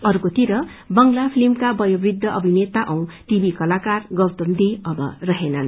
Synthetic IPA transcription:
ʌrkot̪iɾʌ | bʌŋlapʰilimkabʌjobrid̪ʱːʌʔʌbʱinet̪aʔʌw̃ʈibikʌlakarɡʌwt̪omd̪iʌbʌ̰rʌɦenʌn

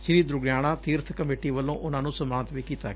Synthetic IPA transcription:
ʃɪɾiːd̪ɾʊɡjaːɽ̃aːt̪iːɾt̪ʰkəmeːʈiːʋəlːõːʔʊnãːnũːsəmaːnt̪ʋiːkiːt̪aːɡɛ

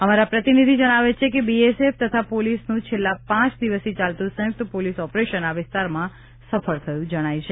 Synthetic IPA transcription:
əmaɾapɾət̪inid̪ʱid͡ʒəɽ̃aʋet͡ʃʰekebieseft̪ət̪ʰapolisnũt͡ʃʰelːapãt͡ʃd̪iʋəsit͡ʃalt̪ũsə̃ɦjʊk̚t̪polisɔpɾeʃənaʋɪst̪aɾmã | səfəɾt̪ʰəjũd͡ʒəɽ̃ajt͡ʃʰe

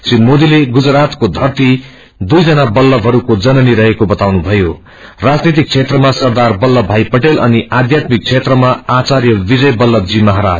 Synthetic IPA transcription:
sinmod̪ileɡud͡zrat̪kod̪ʱʌrt̪i | d̪ujd͡zʌnabʌlːʌbʱɦʌɾukod͡zʌnʌniɾʌɦekobʌt̪awnubʱʌjo | rad͡znit̪̬ik̚t͡sʰet̪rʌmasʌrd̪arbʌlːʌbʱajpʌʈelʔʌniʔad̪jat̪mik̚t͡sʰet̪rʌmaat͡sarjʌbid͡zʌjbʌlːʌd͡zimʌɦaɾa̰d͡z

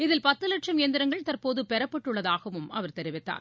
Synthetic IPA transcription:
ɪðɪlpɐt̪ːɯlɐʈʂɐmjɛnd̪ɪɾɐŋɡɐɭt̪ɐrpoːðɯpɛɾɐpːɐʈːɯɭːɐðaːɣɐʋɯmɐʋɐɾt̪ɛɾɪʋɪt̪ːa̰ːɾ

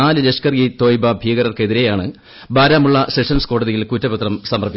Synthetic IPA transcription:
aːlɨleʂkɐrɡit̪o̞ːjbɐbʱijɐɡɐɾɐrke̞ðiɾe̞jaːɳɨ | bʱaːɾaːmuɭːɐseʂɐnsko̞ːɽɐðijilkutːɐbɐt̪rɐmsɐmɐrpi

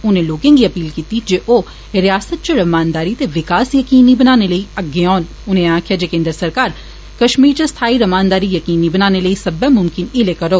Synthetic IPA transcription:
ʊnẽːloːkẽːŋɡiːəpiːlkiːt̪id͡ʒeːʔoː | ɾɪjaːsət̪̚t͡ʃəɾəmaːnd̪aːɾiːt̪eːʋɪkaːsjəkiːnibənaːneləiːəɡːeɔːn | ʊnẽãːkʰjaːd͡ʒeːkẽːnd̪ɾəsəɾkaːɾ | kəʃmiːɾt͡ʃəst̪ʰaːiːɾəmaːnd̪aːɾijəkiːnibənaːneləiːsəbɛ̃ːmʊmkɪnɪlekəɾoː

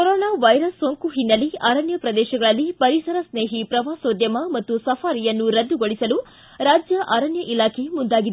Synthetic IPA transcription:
kɔɾɔːnaːʋɐjɾɐsːoŋkuɦinːɐliaːɾɐnjɐpɾɐd̪ɛːʃɐɡɐɭɐlːipɐɾisɐɾɐsneːɦipɾɐʋaːsoːd̪jɐmɐmɐt̪ːusɐfʰaːɾijɐnːuɾɐd̪ːuɡoɭisɐlu | ɾaːd͡ʒjɐʔaːɾɐnjɐʔilaːkʰe̞mund̪aːɡid̪e

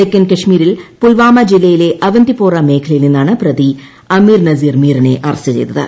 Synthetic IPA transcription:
ekːɐnkɐʂmiːɾilpulʋaːmɐd͡ʑilːɐjile̞ʔɐʋɐnd̪ipoːrɐme̞ːkʰɐlɐjilninːaːɳɨprɐd̪i | ɐmiːrnɐziːrmiːɾɐnḛʔɐrɐsɐt͡ɕḛjt̪ːɐðɨ̰

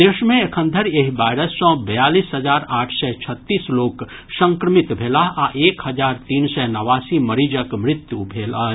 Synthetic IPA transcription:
d̪eːʃmẽekʰə̃nd̪ʱəɾjeɦibaːɪɾəsːɔ̃bɐjaːliːsɦəd͡ʒaːɾaːʈʰsɛt͡ʃʰət̪ːiːsloːk | sə̃ŋkɾəmɪt̪bʱeːlaɦaʔeːkhəd͡ʒaːɾt̪iːnsɛnɐʋaːsiməɾid͡ʒəkmɾɪt̪jubʱeːla

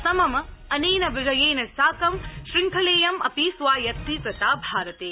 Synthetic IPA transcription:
sɐmɐmɐneːnɐʋɪd͡ʒɐjeːnɐsaːkɐmʃɾɪŋkʰɐleːjɐmɐ̰piːsʋaːjɐt̪ːit̪ɐt̪aːbʱaːɾɐt̪eː

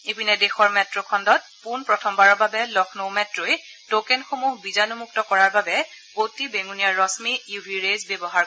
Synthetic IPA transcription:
ebinɛdexɔɹmɛtɹɔkʰɔndɔt̚punpɹɔtʰɔmbaɹɔɹbabɛlɔkʰnowmɛtɹoj | tokɛnxomuɦbizanumuk̚tɔkɔɹaɹbabɛ | otibeŋunijaɹɔsmijubʱiɹezbjɛbɔɦaɹ

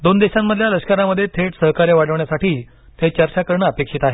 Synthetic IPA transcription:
d̪ond̪eɕamːəd̪ʱjaləɕkəɾaməd̪ʱːjet̪ʰeʈsəɦkaɾjʋaɽəʋɳjasaʈiː | t̪ʰet͡ɕəɾt͡ɕakəɾɳəəpekʂiːt̪aɦe

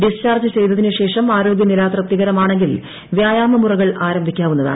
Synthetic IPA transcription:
ɖist͡ɕaːrd͡ʑɐt͡ɕe̞jt̪ɐðinɨɕe̞ːʂɐmaːɾo̞ːɡʲjɐnilaːt̪rɐt̪ːiɣɐɾɐmaːɳe̞ŋɡil | ʋjaːjaːmɐmurɐɣɐɭaːɾɐmbʱikʲːaːʋunːɐða̰ːɳɨ

